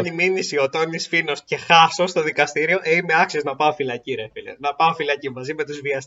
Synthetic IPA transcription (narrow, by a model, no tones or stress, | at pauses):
niminisio̞t̪onisfino̞sce̞xɐsost̪o̞ðikɐst̪iɾio̞ʔeimeɐksiznɐpɐofilɐciɾefilḛnɐpɐofilɐcimɐzime̞t̪uzviɐs